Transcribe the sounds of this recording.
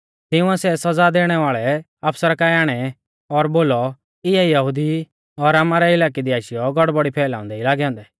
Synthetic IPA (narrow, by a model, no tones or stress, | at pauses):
t̪ɪʊ̃ɛsɛsɐd͡zad̪eːɽ̃ɛʋaːɭɛ | aːpʰsəɾkaːjaːɽ̃ɛ | ɔɾboːlɔ | ɪaijɐɦʊd̪i | ɔɾaːmaɾɛɪlaːk̬id̪iaːʃɪjɔɡɔɽbɔɽipʰɛːlã̰ːʊ̃nd̪ɛilaːɡɛɦɔ̃ːnd̪ɛ